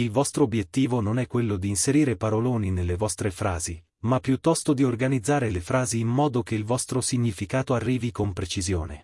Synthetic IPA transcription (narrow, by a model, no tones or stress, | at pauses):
ilvɔst̪ɾoːbjet̪ːiːvononɛkːwelːod̪iːnseɾiːɾepaɾoloːninelːevɔst̪ɾefɾa̰ːzi | mapːjut̪ːɔst̪od̪iorɡanid̪zːaːɾelefɾaːziːmmɔːd̪ok̟eilvɔst̪ɾosiɲːifikaːt̪oarːiːvikompɾet͡ʃizjo̰ːnḛ